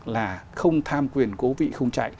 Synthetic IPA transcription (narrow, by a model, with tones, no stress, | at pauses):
laː˨˩xə˧wŋ͡mt̪ʰaː˧mkwi˨˩ənko˨˦vḭ˧˨xə˧wŋ͡mt͡ɕa̰˧˨j